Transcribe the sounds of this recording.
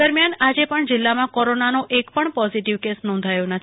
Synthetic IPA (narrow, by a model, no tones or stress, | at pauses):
əɾmjanad͡ʒepəɳd͡ʒɪlːamãkɔɾonanoʔekpəɳpɔziʈiʋkesnɔ̃nd̪ʱajonə